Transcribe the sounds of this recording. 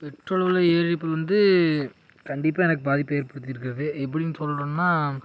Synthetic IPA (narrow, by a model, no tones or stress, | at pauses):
pɛʈroːlʋɐlɐeːɾɾɪpːɯʋɐnd̪ɯ | kɐɳɖɪpːaːɛnɐk̬ːɯbaːðɪpːeːɾpɐɽɯt̪ːɪjɪɾɯkːɪɾɐðɯʔɛp̬ːɐɽɪnːsɔlɾoːnːaː